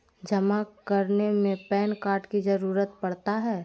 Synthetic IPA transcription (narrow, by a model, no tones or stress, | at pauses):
d͡ʒəmakəɾnemẽpɛːnkaːɾʈkid͡ʒəɾuːɾət̪pɐɽt̪aɦɛː